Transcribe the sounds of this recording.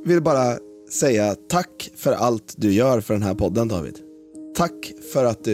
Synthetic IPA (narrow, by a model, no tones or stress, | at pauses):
vɪlbɑːɾa | sɛjːat̪ʰakːfœɾʔa̰lt̪d̪ɵjœːɾfœɖɛnɦæːɾpʰɔd̪ːənd̪ɑ̰ːvɪ̰ːd̪̥ | t̪ʰːakːfœɾat̪̚d̪ɵ